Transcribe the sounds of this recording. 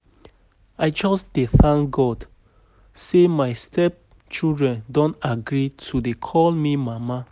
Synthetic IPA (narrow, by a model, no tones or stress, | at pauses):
aɪd͡ʒɔsdeθãŋkɡɔd | semaɪstʰɛp̚ | t͡ʃildɹɛ̃ndõntaɡɹitʰudekʰɔlmimama